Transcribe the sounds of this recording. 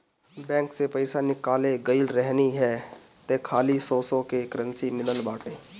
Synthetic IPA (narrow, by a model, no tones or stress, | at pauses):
bɛ̃ːŋksepɐɪsanɪkaːleɡəɪlɾɛɦniɦɛ | t̪ekʰaːlisɔːsokekəɾə̃nsimɪləlbaːʈẽː